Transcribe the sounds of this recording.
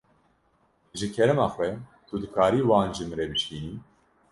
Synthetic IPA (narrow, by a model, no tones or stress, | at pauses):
ʒɨkʰɛɾɛmaːxwɛt̪ʰud̪ɨkʰaːɾiːwaːnʒɨmɾɛbɨʃkiːni